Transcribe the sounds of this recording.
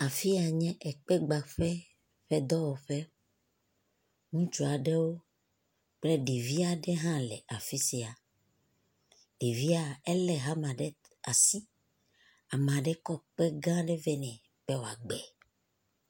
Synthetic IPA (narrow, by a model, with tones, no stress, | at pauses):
a˨fi˦a˨ɲɛ̃˦ʔɛ˨k͡pɛ˦ɡ͡ba˨ɸɛ˦ | ɸɛ˦d̪ɔ˦wɔ˨ɸɛ˦ | ŋũ˦t͡ʃu˨a˨ɖɛ˦wo˦ | k͡plɛ˦ɖe˨vi˦a˨ɖɛ˦ɦã˦lɛ˨ʔa˨fi˦si˨a˨ | ɖ̥e˨vi˦a˦˨ɛ˦lɛ˨ɦa˦mã˨ɖɛ˦ | a˨si˦ | a˨m˨ã˨ɖɛ˦kɔ˦k͡pɛ˦ɡã˦ɖɛ˦vɛ˦nɛ̃˨ | b̥ɛ˦wo˨a˨ɡ͡bɛ˨